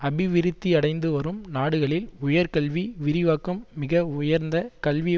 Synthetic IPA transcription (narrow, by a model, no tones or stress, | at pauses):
ɐbɪʋɪɾɪt̪ːiɐɽɐɪnd̪ɯʋɐɾɯmnaːɽɯɣɐɭɪlʊjɐɾkɐɭʋiʋɪɾɪʋaːkɯmːɪɣɐʊjɐɾnd̪ɐkɐɭʋi